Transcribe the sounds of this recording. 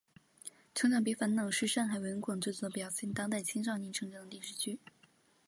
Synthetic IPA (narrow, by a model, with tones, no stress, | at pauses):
ʈ͡ʂʰɤ˧˥ŋɕjɑ˥˩ʊpi˧˥fa˧˥nnɤ˨˩ŋʂɻ̩˥˧ʂa˥˩nxa˧˥wə˧˥ŋkʰwɑ˨˩ŋt͡swe˥˩t͡swɔ˧˥˩pjɑ˨˩ʊɕɛ˥˩nt̪ɑ˥ŋt̪a˥˩ɪt͡ɕʰi˥ŋʂɑ˥˧ni˧˥ʈ͡ʂʰɤ˧˥ŋʈ͡ʂŋd̪ə˧li˥˩ʂɻ̩˥˩t͡ɕʰy˥˩